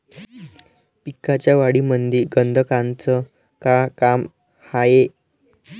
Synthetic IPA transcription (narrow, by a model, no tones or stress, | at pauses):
pikːat͡ɕjaʋaɽiːmənd̪iɾɡənd̪ʱəkant͡sə | kakam | haje